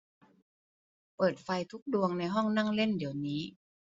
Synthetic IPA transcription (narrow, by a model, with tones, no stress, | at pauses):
pɤː˨˩t̪̚fa˧jt̪ʰu˦˥k̚du˧əŋna˧jɦɔ˥˩ŋna˥˩ŋle˥˩ndi˨˩˦əwniː˦˥